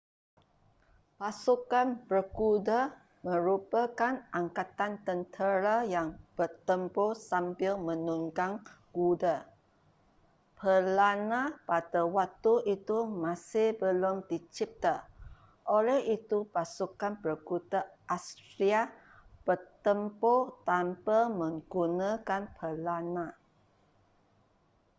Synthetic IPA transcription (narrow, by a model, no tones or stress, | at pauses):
pasukanpəkuda | mə̃ɾupakanʔaŋkat̪ant̪ənt̪ʰəɾajaŋb̥ət̪əmposampɪlmə̃nuŋɡaŋɡuda | pʰəlanapadawak̚t̪uʔit̪umãsɪhbəlomd̪it͡ʃɪp̚t̪a | ʔolɛhʔit̪upasukanpərɡut̪aʔast̪ɾia | b̥ərt̪əmpot̪ampəmə̃ŋɡunãkanpʰəlanã